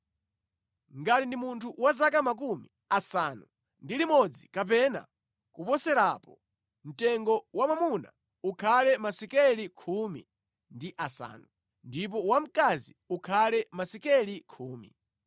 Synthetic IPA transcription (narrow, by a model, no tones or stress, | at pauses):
ŋɡatindimuntʰuwazak̬amak̬umi | asanu | ndilimɔd͡zikap̬ɛna̰ | kupɔsɛɾapɔ | m̩tɛŋɡɔwamamuna̰ | ukʰalɛmasɛkɛlikʰumḭ | ndiʔasa̰ːnu | ndip̬ɔwam̩kazi | ukʰalɛmasɛkɛlikʰuːmḭ